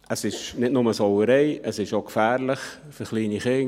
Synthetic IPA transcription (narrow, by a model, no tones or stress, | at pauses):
əsɪʃnɪtnʊməsowəɾeɪəsɪʃokfæːɾləχ | fəɾχliːniχɪ